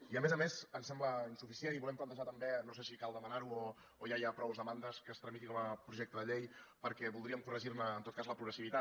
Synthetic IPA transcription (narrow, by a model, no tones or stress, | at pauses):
iəmezəmezənsɛmbləinsufisieniβulɛmplənt̪əʒat̪əmbenosesikalˠd̪əmənaɾuoː | jajapɾɔwzðəmand̪əskəst̪ɾəmit̪ikɔməpɾuʒɛk̚t̪əðəʎejpəɾkɛβulˠd̪ɾiəmkurəʒiɾnəːnt̪ot̪̚kazləpɾuɣɾəsiβit̪a